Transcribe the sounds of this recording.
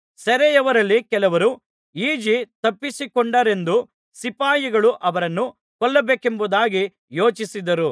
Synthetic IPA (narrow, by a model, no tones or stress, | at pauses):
sɐɾɛjɐʋɐɾɐlːikɛlɐʋɐɾu | iːd͡ʒit̪ɐpːisikɔɳɖɐɾe̞nd̪u | sipaːjiɡɐɭuʔɐʋɐɾɐnːu | kɔlːɐbeːkembud̪aːɡi | jo̞ːt͡ʃisid̪ɐɾu